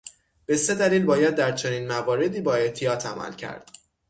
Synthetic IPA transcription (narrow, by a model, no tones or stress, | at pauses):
b̥e̞se̞d̪æliːlbɒːjæd̪̚ːæɾt͡ʃʰo̞niːnmævɒːɾe̞d̪iːbɒːe̞ht̪ʰijɒːt̪ʰæmæ̰lcʰæ̰ɾd̪̥